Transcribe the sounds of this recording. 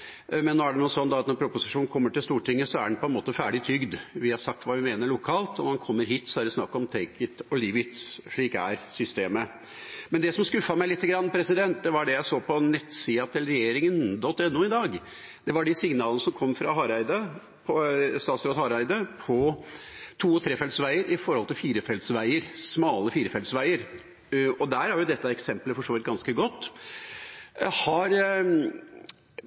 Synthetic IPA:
mɛnːoːæɖɛnuːsɔnːd̪ɑɑt̪nɔɾpʰɾʊpʊsɪʂuːnn̩kʰɔmːəʈɪlst̪uːʈɪŋːəsɔæ̰ɖɛnpʰɔɛnmoːt̪əfæːɖɪt̪ʰʏɡd̪ʋɪhɑɾsɑk̚t̪ʋɑːʋɪmeːnəɭʊkʰɑːlt̪ɔnɑnkʰɔmːəɾɦiːt̪sɔæɾɛsnɑkːɔmt̪ʰeɪkət̪ɔliːʋɪt̪sʂɭiːkæ̰ɾsʏst̪eːmə | mɛnd̪ɛsɔmskʉfɑmæɪlɪt̪ːəɡɾɑnːpʰɾɛsɪd̪ɛnt̪̚d̪ɛʋɑɖɛjæɪsoːpʰɔnɛt̪ːsiːɑt̪ʰɪlɾɛjeːɾɪŋənd̪ɔt̪ːɛnːuːɪd̪ɑːɡ | d̪̥ɛʋɑɖɪsɪŋnɑːlnəsɔmkʰɔmːfɾɑɦɑɾæɪd̪ə | pʰɔst̪ɑːt̪sɾoːd̪hɑɾæɪd̪əpʰɔ | t̪ʰuːɔt̪ʰɾeːfɛlsʋæɪəɾʔɪfɔɾhɔlt̪ʰɪlfiːɾəfɛld̪sʋæɪəɾsmɑːləfiːɾəfɛld̪sʋæɪəɾ | ɔd̪æːɾhæɾjʊd̪ɛt̪ːəɛksɛmpləfɔʂoːʋɪt̪̚ɡɑnskəɡɔt̪ː | hɑɾ

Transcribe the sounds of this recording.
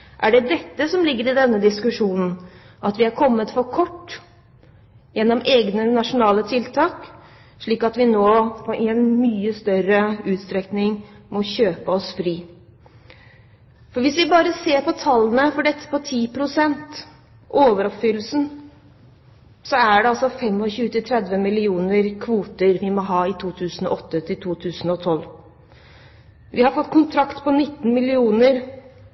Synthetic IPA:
ʔæɖɛd̪ɛt̪ːəsɔmlɪɡːəɾɪd̪ɛnːəd̪ɪskʉʂuːnn̩ | ʔɑt̪ʋɪæɾkʰɔmːət̪fɔɾkʰɔʈː | jɛnːɔmeːɡnənɑʂʊnɑːlət̪ʰɪlt̪ʰɑːk | ʂɭiːkɑt̪ʋɪnoːpʰɔʔɛnmyːəst̪œɾəʉːt̪st̪ɾɛknɪŋmɔçøːpəɔsfɾiː | fɔɾʋɪsʋɪbɑːɾəseːɾpɔt̪ʰɑlːənəfɔɖɛt̪ːə̥pɔt̪ʰiːpʰɾʊsɛnt̪ | ʔoːʋəɾɔpfʏlːəsn̩ | sɔæɖɛɑlsɔfɛmːɔçʉːət̪ɪt̪ʰɾɛd̪ʋəmɪlɪuːnəɾkʰʋuːt̪əɾʋɪmɔɦɑːɪt̪ʰuːt̪ʰʉːsn̩ɔ̰ʔɔt̪ːət̪ʰɪlt̪ʰuːt̪ʰʉːsn̩ɔt̪ʰɔlː | ʋɪhɑɾfɔt̪ːkʰʊnt̪ʰɾɑkt̪pʰɔnɪt̪ːn̩mɪlɪuːnəɾ

